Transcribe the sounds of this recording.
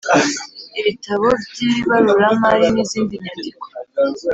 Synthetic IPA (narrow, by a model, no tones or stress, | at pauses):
eβitʰaβobɟiːβaɾuɾamaɾiniziːndiɲandiko̥